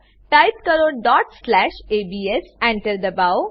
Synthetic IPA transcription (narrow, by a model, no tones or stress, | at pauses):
ʈaɪt̪kəɾoːɖɔːʈslæːʃeːbiːesɛ̃ɳʈəɾd̪əbaʊ